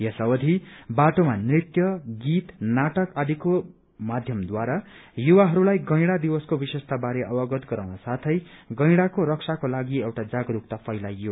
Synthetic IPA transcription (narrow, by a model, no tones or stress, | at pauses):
jʌsʌwʌd̪ʱibaʈomanrit̪jʌɡit̪naʈʌkʌd̪ʱiko | mad̪ʱjʌmd̪waɾajuwaɦʌɾulajɡʌjɽad̪iwʌskobisest̪ʰabaɾeʔʌwʌɡʌt̪ɡʌɾawnasat̪ʰʌjɡʌ̃jɽakoɾʌksʰakolaɡiewʈad͡zaɡɾuk̚t̪apʌjlajːua